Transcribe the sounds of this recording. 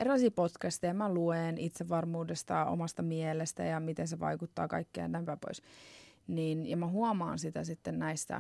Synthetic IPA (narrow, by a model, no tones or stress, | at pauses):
erilɑisiːpot̪kæst̪ejɑmæluenit̪seʋʋɑrmuːdest̪ɑo̰mɑst̪ɑmielest̪æ̰jɑmit̪enseʋɑ̰ikut̪ːɑ̰ːkɑ̰ikːej̰næimpæːpo̰isninjɑmæɦuɑmɑːnsit̪æ̰sit̪ːennæist̪æ̰